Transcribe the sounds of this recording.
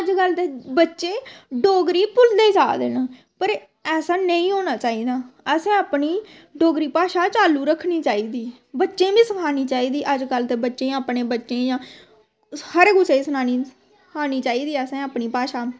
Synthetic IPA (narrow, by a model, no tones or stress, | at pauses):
əd͡ʒɡəlt̪eːbətːʃẽːɖoːɡɾiːpʊld̪eːd͡ʒaːd̪ḛːnãː | pəɾ | ɛːsaːnəĩːɦoːnaːt͡ʃaːiːd̪aːəsẽːaːpniː | ɖoːɡɾiːpaːʃaːt͡ʃaːluːɾəkʰːniːt͡ʃaːiːd̪iː | bətːʃẽːbĩːsəkʰaːniːt͡ʃaːiːd̪iːʔəd͡ʒɡəlt̪eːbətːʃẽːaːpneːbətːʃẽːjãː | həɾɡʊt͡ʃeːsənaːniː | aːniːt͡ʃaːiːd̪iːəsẽːapniːpaːʃaː